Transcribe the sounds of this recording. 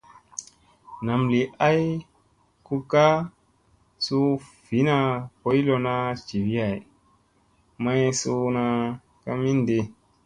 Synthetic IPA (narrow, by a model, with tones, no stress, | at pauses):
na˨mli˨a˦j | ku˧ka˦ | su˧fi˨˦na˧pɔ˧jlɔ˧na˦t͡ʃi˨vi˦a˨j | ma˦jsu˧na˧ | ka˦mi˦nde˧